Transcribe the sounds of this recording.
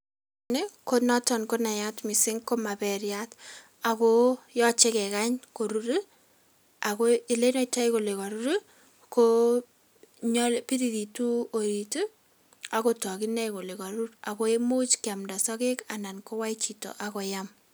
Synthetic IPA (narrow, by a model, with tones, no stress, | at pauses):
ne˦ko˦nɔ˦tɔ˨nko˦na˨jatmɪ˨sɪ˦ŋko˦ma˨pɛɾjat | akojɔ˦t͡ʃe˦kɛ˨ka˦ɲko˨ɾu˨ɾi˦ | a˨koi˦le˦nɔ˦ita˦ɪko˨le˨kɔ˨ɾu˦ɾu | ko | ɲɔlpi˦ði˨ði˨tu˦o˨ɾi˨tu˦ | a˨kotɔ˨kɪ˦nɛ˦ko˨le˨kɔ˨ɾuɾa˨ko˦e˦mu˦t͡ʃkɪa˨mda˨sɔ˦ke˦kana˨nko˦wa˦it͡ʃi˨to̰˨ʔakɔ˨jam